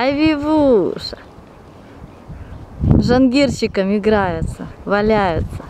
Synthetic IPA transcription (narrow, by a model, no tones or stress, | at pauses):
ɐvʲivuʂ | ʐɐnɡʲirɕɪkəmɪɡɾajʊt̪səvɐlʲajʊt̪sə̥